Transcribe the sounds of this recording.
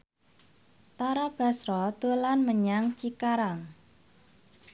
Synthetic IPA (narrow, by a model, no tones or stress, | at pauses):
t̪aɾab̥a̤sɾɔd̪̥o̤lanməɲaŋt͡ʃikaɾaŋ